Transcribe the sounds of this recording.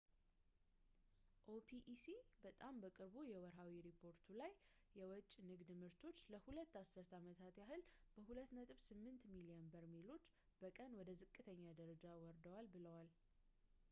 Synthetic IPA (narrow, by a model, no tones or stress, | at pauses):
ʔopʰiʔsibət̪ʼambəkʼɨɾbujɛwɔɾɦawiɾipʰo̞ɾt̪ʰulajː | ɛwɔt͡ʃʼːnɨɡd̪ɨmɨɾt̪ʰo̞t͡ʃːləhulət̪ːasːɨɾt̪amət̪ʰat̪jaɦɨlb̥əhulət̪nət̪ʼɨβsɨmːɨnt̪miliənbəɾmilo̞t͡ʃː | b̥əkʼənwɔd̪əzɨkʼːɨt̪ʰəɲːad̪əɾəd͡ʒawɔɾd̪əwalbɨləwal